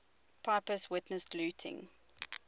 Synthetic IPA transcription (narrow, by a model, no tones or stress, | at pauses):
pʰapəswɪtnəstlʉːˑtʰɪ̰̃ŋ